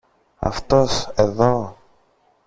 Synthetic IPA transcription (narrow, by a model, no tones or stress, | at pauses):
ɐ̰ft̪oseðo